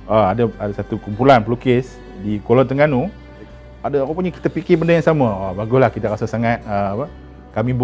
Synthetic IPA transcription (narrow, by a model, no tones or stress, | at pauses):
ʔaadaadasat̪ukumpulanplukɪs | dikolɔnt̪əŋɡanu | adəakapuɲaki̥t̪əpikɪbəndəjaŋsaməabaɡʊslahkit̪aɾasəsaŋat̪̚əapə | kamib